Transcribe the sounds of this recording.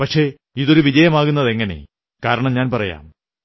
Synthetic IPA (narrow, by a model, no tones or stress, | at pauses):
pɐʈʂe̞ | iðo̞ɾuʋid͡ʑɐjɐmaːɣunːɐðe̞ŋːɐne̞̰ | kaːɾɐɳɐmɲaːnpɐrɐja̰ːm